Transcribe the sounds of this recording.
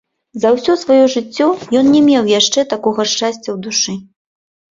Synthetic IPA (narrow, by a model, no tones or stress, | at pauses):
zɐwsʲɔsvajɔʐɨt͡sʲːɔjɔnnʲɛmʲewjaʂt͡ʂɛt̪akɔɣɐʂt͡ʂasʲt͡sʲɐwd̪uʂɨ